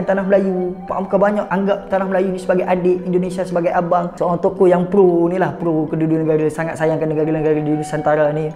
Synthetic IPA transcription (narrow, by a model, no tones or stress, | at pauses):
ant̪anaɦməlajupa̰ʔamkabaɲaʔaŋɡap̚t̪anahməlajunĩsəbaɡajʔadeʔindonesiasəbaɡajabaŋsəoaŋt̪okojaŋpɾonilahpɾokədudunəɡaɾasaŋat̪̚sajaŋkanːəɡaɾanəɡaɾadidunusant̪aɾani